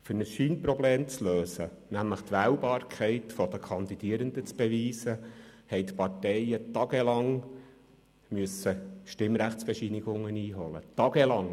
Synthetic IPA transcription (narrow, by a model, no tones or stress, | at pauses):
fyɾnəsʃiːnpɾɔbleːmt͡sløːsə | næmləχt̪ʋæːwbɑːɾkʰɛɪtfɔd̪əkʰɑnd̪id̥iːəɾənd̪ət͡sb̥eʋiːsəhɛɪt̪pɑrtɛɪət̪ɑɡ̥elɑŋ | myəsəʃtɪmɾæχtt͡sb̥ɛʃinɪɡ̥ʊŋːəniːɦɔlə̰t̪ɑɡɛlɑŋ